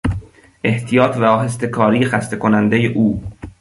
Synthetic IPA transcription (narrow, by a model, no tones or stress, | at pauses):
ʔe̞ht̪ʰijɒːt̪ʰvæɒːhest̪e̞kʰɒːɾiːexæst̪e̞kʰonænd̪ejeʔuː